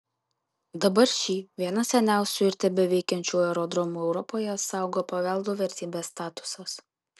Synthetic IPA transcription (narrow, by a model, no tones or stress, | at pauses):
d̪ɐbɐɾʃʲiːʋʲiɛnɐsʲɛnʲæˑʊsʲʊɪɾʲt̪ʲɛbʲɛʋʲɛɪkʲɛnʲt͡ʃʲuːɛɾɔd̪ɾɔmuːɛʊɾɔpoːjɛsɑˑʊɡoːpɐʋʲɛˑlˠd̪uːʋʲɛɾʲt̪ʲiːbʲeːsːt̪ɑːt̪ʊ̥sɐs